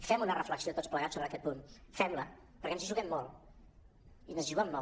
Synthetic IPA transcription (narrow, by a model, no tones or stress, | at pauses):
fɛmunərəfləksiot̪ot͡spləɣatsoβɾəkɛt̪̚punfɛmlə | pəɾkɛnziʒuɣɛmːɔlˠ | inəzʒuɣɛmːɔ